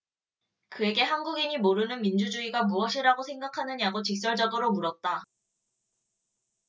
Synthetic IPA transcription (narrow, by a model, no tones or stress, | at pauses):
kɯe̞ɡe̞ɦanɡuɡimimoɾɯnɯnmind͡ʑud͡ʑuiɡamuʌɕʰiɾaɡosʰe̞ŋɡakʰanɯɲaɡot͡ɕik̚s͈ʌɭd͡ʑʌdoɾomuɾʌt̚t͈a